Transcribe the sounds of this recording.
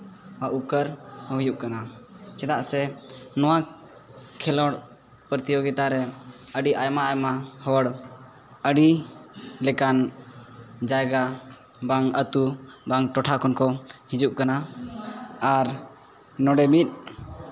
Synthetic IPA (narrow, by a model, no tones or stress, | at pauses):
aʔukəɾməɦjuʔkana | t͡ʃɛd̪aʔsɛnɔwa | kʰɛlɔɽ | pəɾt̪ijɔɡɛt̪aɾɛ | əɖiʔajmaːjmahɔəɽ | əɖi | lɛkan | d͡ʒajɡa | baŋət̪u | baŋʈɔʈʰakʰɔnkɔhid͡ʒuʔkana | aɾ | nɔɖɛmit̪̚ˀ